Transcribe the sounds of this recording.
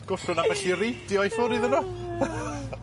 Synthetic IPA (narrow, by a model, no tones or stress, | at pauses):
ɡ̥ʊɬʊnavɛɬiredjɔjfʊɾɪðənʊ